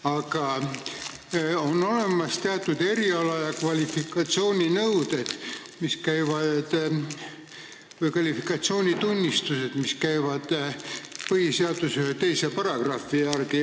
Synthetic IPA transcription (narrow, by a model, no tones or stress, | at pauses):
ɑɡ̥ɑ | o̞no̞le̞mɑst̪eɑt̪ːˑud̪̥e̞ɾiɑlɑjɑkvɑlʲifikːɑt̪sio̞ːnʲinɤwd̪e̞d̪̥ | miskæjvɑd̪̥ | vɤjkvɑlifikˑɑt̪sio̞ːnʲit̪unʲːist̪use̞d̪̥miskæjvɑd̪̥ | pɤhiseɑd̪̥usyhet̪e̞jsepɑɾɑɡ̥rɑfiærɡ̥i